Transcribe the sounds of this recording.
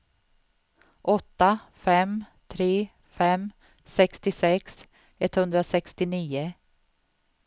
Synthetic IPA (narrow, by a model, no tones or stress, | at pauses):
ʔɔt̪ːa | fɛmt̪ʰɾeː | fɛm | sɛkst̪ɪsɛks | ɛt̪hɵnd̪ɾasɛkst̪ɪniːʊ